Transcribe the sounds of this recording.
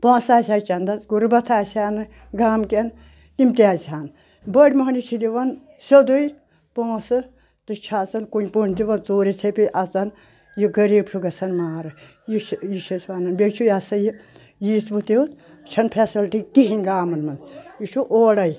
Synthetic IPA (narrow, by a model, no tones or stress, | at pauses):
põːsaːsʲaːjt͡ʃɐnd̪ɐt͡sɡuɾbɐt̪ʰaːsʲaːnɨ | ɡaːmken | imt̪iaːzʲaːn | bəɽʲmɐɦɐnit͡ʃʰid̪iʋɐn | sʲod̪uj | põːsɨ | t̪ɨt͡ʃʰaːt͡sɐnkunʲpunʲt̪iʋɐnt͡soːɾit͡sʰepʲiʔɐt͡sɐn | jiɡɐɾiːbʃʰuɡɐsʰɐnmaːɾɨ | jiʃjiʃɐsʲʋaːnɐnbʲet͡ʃʰujasɐji | jiːsbut̪iut̪ | t͡ʃʰɐnpʰesilʈik̪iɦinʲɡaːmɐnmɐndjit͡ʃʰuʔoːɽɐj